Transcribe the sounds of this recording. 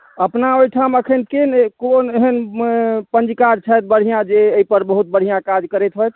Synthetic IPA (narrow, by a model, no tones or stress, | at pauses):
əpnaojʈʰaməkʰənkenkoneɦən | pənd͡ʒikaɾt͡ʃʰəjt̪̚bəɽ̤ʱijãd͡ʒeːipəɾbəɦut̪̚bəɽ̤ijãkad͡ʒkəɾɛt̪ɦot̪ʰ